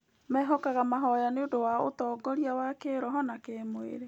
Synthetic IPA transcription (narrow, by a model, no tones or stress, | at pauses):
mɛːɦɔkaɣamaɦɔjaneodowao̰tɔɡɔɾiawakeɾɔɦɔnakemwḛɾe